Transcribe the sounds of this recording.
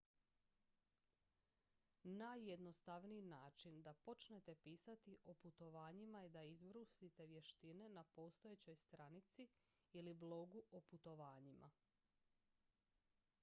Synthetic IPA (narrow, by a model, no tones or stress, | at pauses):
najːed̪nost̪aʋniːnaːt͡ʃind̪apo̞t͡ʃne̞t̪e̞piːsat̪iʔo̞put̪o̞ʋaːɲimaed̪aizbɾust̪it̪e̞ʋje̞ʃt̪ine̞napo̞ːst̪o̞jet͡ɕo̞jst̪ɾanit̪si | iliblo̞ɡuʔoput̪o̞ʋaːɲimʔa̰